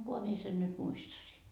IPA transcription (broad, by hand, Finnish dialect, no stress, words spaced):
kohɑ mie sen nyt muistɑsiː